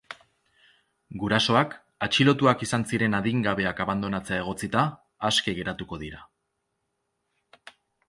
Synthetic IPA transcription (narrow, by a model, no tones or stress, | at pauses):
ɡuɾaso̞ak | at͡ʃilo̞t̪uakisansiɾe̞naðiŋɡaβ̞e̞akaβand̪o̞nat͡se̞ae̞ɣ̞o̞t͡sit̪aː | ske̞ɣ̞e̞ɾat̪uko̞ð̞iɾa